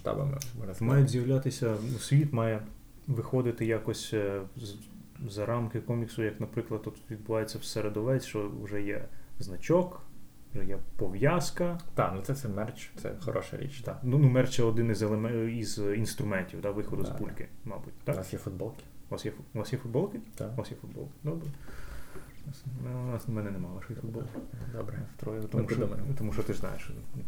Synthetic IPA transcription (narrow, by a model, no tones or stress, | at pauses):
ʃt̪ɑ̰bɐ̰mɪ̰mɑjʊtʲzʲjɐwlʲat̪ɪsʲɐnusʲʋʲit̪mɑjɛ | ʋɪxɔd̪ɪt̪ɪjakɔsʲz | zɐɾɑmkɪkɔmʲiksʊjɐknɐpɾɪklˠɐd̪̚t̪ːut̪ʋʲid̪̚bʊʋɑjet͡sʲːɐwsɛɾed̪ɔʋɛt͡sʲʃt͡ʃɔʊ̰ʒɛjɛznɐt͡ʃɔk | ʊʒɛjɛpɔʋjaskɐt̪a̰nut̪sɛtsɛmɛrt͡ʃt̪sɛ̰xɔ̰ɾɔ̰ʃɐ̰ɾʲḭt͡ʃt̪anunumɛrt͡ʃjɛɔd̪ɪnizelˠemɛizinst̪ɾʊmɛnʲtʲiwd̪aʋɪxɔd̪ʊzbulʲkɪ̰mɑ̰butʲt̪aknasjɛfʊd̪̚bɔlˠkɪ̥nɑsjɛfʊnɑsjɛfʊd̪̚bɔlˠkɪt̪ʊnɑsjɛfʊd̪̚bɔ̰lˠkɪ̥d̪ɔbɾɛ | nɑsmɛnɑsnɐmɛnɛnɛmɑlˠɐʃɔjifʊd̪̚bɔlˠkɪd̪ɔbɾɛt̪ɾɔjt̪mmuɔmt̪ɔmuʃt͡ʃɔt̪ɪʒznɑ̰jḛʃ